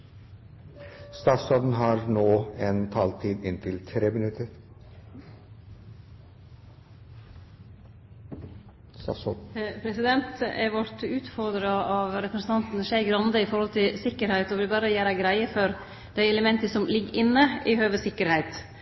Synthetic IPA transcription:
st̪ɑːsɑd̪n̩ɦɑɾnoːent̪ʰɑːlt̪ʰiːd̪ɪnt̪ʰɪlt̪ʰɾeːmɪnʉt̪ʰəɾ | pʰɾɛsɪd̪ɛnt̪ɛɾʋɔɾʈʉːt̪fɔɾd̪ɾɑɑʋɾɛpɾəsn̩t̪ʰɑnt̪n̩ʃeɪɡɾɑnd̪əɪfɔɾhɔlt̪ʰɪsɪkːəɾhæɪt̪ɔʋɪlbɑːɾəjæːɾæɡɾæɪəfɔɾ | d̪̥æɪɛləmɛnt̪əsɔmlɪɡəɾʔɪnːəʔɪhøːʋəsɪkːəɾhæɪt̪

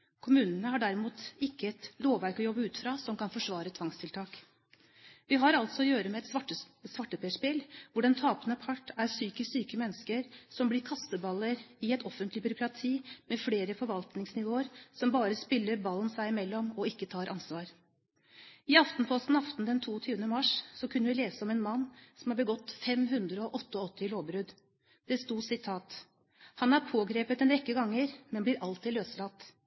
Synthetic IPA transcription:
kʰʊmʉːnənəhɑɖæɾɪmuːt̪ɪkːəɛt̪loːʋæɾkɔjɔbːəʉːt̪fɾɑːsɔmkɑnfɔʂʋɑːɾət̪ʰʋɑŋst̪ʰɪlt̪ʰɑːk | ʋɪɦɑɾɑlt̪sɔɔjøːɾəmɛɛt̪ə | sʋɑʈːəpʰeɛʂpɪlʋʊɖɛnt̪ʰɑːpənəpʰɑʈːæɾsyːkəsyːkəmɛnːəskəɾsɔmblɪːɾkʰɑst̪əbɑlːəɾɪɛt̪ʰɔfənt̪lɪbʏɾʊkɾɑt̪ʰiːmefleːɾəfɔɾʋɑlt̪nɪŋsnɪʋoːəɾsɔmbɑːɾəspɪlːəɾbɑln̩sæɪɪmɛlːɔmɔɪkːət̪ʰɑːɾʔɑ̰nsʋɑːɾ | ɪɑft̪n̩pʰɔst̪n̩ɑft̪nd̪ɛnt̪ʰuːɔt̪ʰyːʋənəmɑʂsɔkʰʉnːəʋɪleːsəɔmɛnmɑnːsɔmhɑɾbəɡɔt̪ːfɛmɦʉnd̪ɾəɔʔɔt̪ːəɔt̪ːɪloːbɾʉd̪ | d̪̥ɛst̪uːsɪt̪ʰɑːt̪ | hɑnæɾpʰoːɡɾeːpət̪ɛnɾɛkːəɡɑŋːəɾmɛnblɪɾʔɑlt̪ʰɪːløːslɑt̪ː

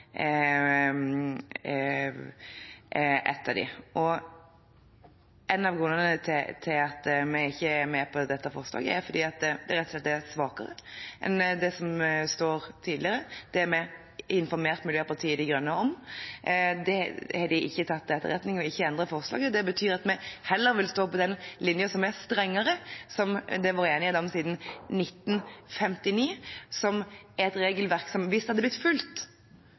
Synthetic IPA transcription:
ʔɛ̰t̪ʰːəd̪ɪ̰ʔɔ | ɛnːɑʋɡɾʉnənənət̪ʰɪt̪ʰɪlɑt̪mɛɪçːəæɾmɛpʰɔd̪ɛt̪ːəfɔɾslɑ̰ːɡəæɾfɔd̪iːɑt̪̚d̪ɛɾɛt̪ːɔslɛt̪ːæɾsʋɑːkə̰ɾə̰ʔɛ̰nd̪ɛsɔmst̪oːɾt̪ʰiːd̪lɪəɾəd̪̥ɛæɾmɛ | ɪnfɔɾmeːɾt̪mʉljøːpʰɑt̪ʰiːəd̪ɪɡɾʉnːəɔm | d̪ɛhɑd̪ɪʔɪçːət̪ʰɑt̪ːd̪ɛt̪ːə̰ɾɛt̪nɪŋɔɪçːəɛnd̪ʁəfɔʁslɑ̰ːɡəd̪ɛbət̪ʰyːɾɑt̪mɛhɛlːəɾʋɪlst̪oːpɔd̪ɛnlɪnjəsɔmɛɾst̪ɾɛŋːəɾəsɔmd̪ɛʋɑːɾəeːnɪd̪ɑːɔmsiːd̪n̩nɪt̪ːn̩fɛmt̪ɪniːsɔmɛt̪ɾeːɡəlʋæɾksɔmʋɪst̪hɑd̪ːəb̪lɪt̪ːfʉlt̪

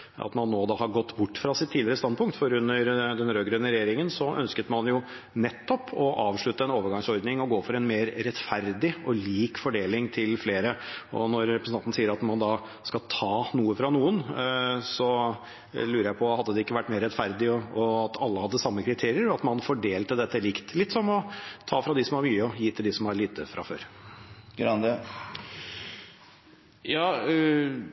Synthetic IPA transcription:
ɑ̰t̪mɑnːoːd̪ɑhɑɾɡɔt̪ːbʊʈːfɾɑsɪt̪ʰːiːlɪəɾəst̪ɑnd̪pʊŋkt̪fɔɾʉnːəɾd̪ɛnɾøːɡɾœnːəɾɛjeːɾɪŋənsɔʔœnskət̪mɑnjʊ | nɛt̪ːɔpʰɔʔɑːʋʂɭʉt̪əɛnoːʋəɾɡɑŋsɔɾd̪nɪŋɔɡoːfɔɾɛnmeːɾɾɛt̪fæɾd̪ɪɔliːkfɔɖeːlɪŋt̪ʰɪlfleːɾəɔ̰nɔɾɾɛpɾəsn̩ʰɑnt̪n̩siːəɾɑt̪mɑnd̪ɑː | skɑlt̪ʰɑːnuːəfɾɑnuːənsɔ | lʉːɾəjæɪpʰɔhɑd̪ːəd̪ɛɪkːəʋæʈːmeːɾɛt̪fæɾd̪ɪɔɔɑt̪ʰɑlːəhɑd̪ːəsɑmːəkʰɾɪt̪ʰeːɾɪəɾɑt̪mɑnfɔɖeːlt̪əd̪ɛt̪ːəlɪkt̪lɪt̪ːsɔmɔt̪ʰɑːfɾɑd̪ɪsɔmæɾmyːəɔjiːt̪ʰɪld̪ɪsɔmæɾɭiːt̪əfɾʔɑ̰fø̰ːɾɡɾɑnd̪ə | jɑː

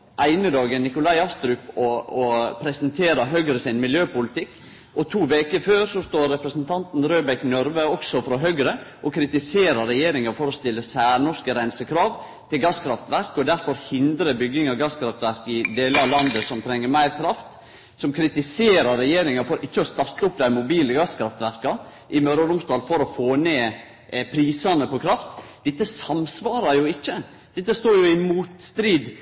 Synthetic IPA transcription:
ʔæɪnəd̪ɑːɡənnːɪkʊlɑɪɑst̪ɾʏkɔɔpʰɾɛsnt̪ʰeːɾɑɦœɡɾəsɪnmɪljøːpʊlɪt̪ʰɪkː | ʔɔt̪ʰuːʋeːkəføːɾsɔst̪oːɾːɛpɾəsnt̪ʰɑnt̪n̩ɾøːbɛknœɾʋəɔksɔfɾɔɦœɡɾəʔɔkʰɾɪt̪ɪseːɾɑɾɛjeːɾɪŋɑfɔɾɔst̪ɪlːəsæːɳɔʂkəɾæɪnsəkʰɾɑːʋ | t̪ʰɪlɡɑskʰɾɑft̪ʋæɾkɔd̪æɾfɔɾhɪnd̪ɾəbʏɡːɪŋɑɡɑskʰɾɑft̪ʋæɾkɪd̪eːləɑlɑnd̪əsɔmt̪ʰɾɛŋːəɾmæɪɾkʰɾɑft̪ | sɔmkʰɾɪt̪ɪseːɾɑɾːɛjeːɾɪŋɑfɔɾʔɪçːəɔst̪ɑɾt̪ːəʊpːd̪æɪmʊbiːləɡɑskʰɾɑft̪ʋæɾkɑ | ʔɪmøːɾɔɾʊmst̪ɑːlfɔɾɔfoːneː | pʰɾiːsɑnəpɔkʰɾɑft̪d̪ɪt̪ːəsɑmsʋɑːɾɑɾjʊɪçːə | d̪̥ɛt̪ːəst̪oːɾjʊɪmuːt̪st̪ɾiːd̪

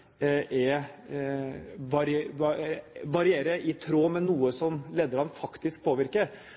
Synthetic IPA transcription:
ʔɛ | ʋɑɾ | ʋɑɾɪeːɾəʔɪt̪ʰɾoːmɛnuːəsɔmleːd̪əɾɑnfɑkt̪ɪsk̚pʰoːʋɪɾkə

